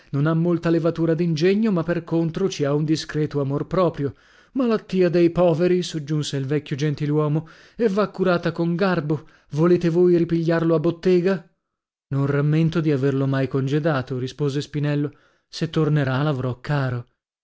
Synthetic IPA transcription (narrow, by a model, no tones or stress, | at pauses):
nonamːolt̪alevat̪uːɾad̪ind͡ʒeɲːomapːerkont̪ɾot͡ʃiaund̪iskɾɛːt̪oamorpɾɔːpɾjo | malat̪ːiːad̪ejpɔːveɾisod͡ʒːunseilvɛkʲːjod͡ʒent̪ilwɔːmo | evːakːuɾaːt̪akoŋɡarbo | voleːt̪evoːjɾipiʎːarloabːot̪ːeːɡa | nonramːent̪od̪iaverlomajkond͡ʒed̪aːt̪oɾispoːzespinɛlːo | set̪ːorneɾalavɾɔkːaːɾo